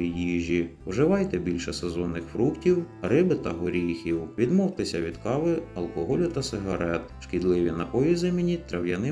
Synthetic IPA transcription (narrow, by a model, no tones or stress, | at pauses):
ijiʒʲiwʒɪʋɑjt̪ɛbʲilʲʃɛsɛzɔnːɪxfɾuktʲiwrɪbɪt̪ɐɦɔɾʲijxʲiwʋʲid̪mɔwt̪ɪsʲɐʋʲid̪kɑʋɪɐlˠkɔɦɔlʲʊt̪ɐsɪɦɐɾɛt̪ʃkʲid̪lˠɪʋʲinɐʔɔʋʲizɪmʲinʲit̪ɾɐwjɐnɪ